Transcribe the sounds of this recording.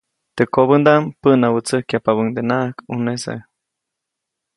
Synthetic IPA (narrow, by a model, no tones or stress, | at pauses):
t̪ekoβənd̪ampəʔnawət͡səhkjapaβəŋd̪enakunesḛ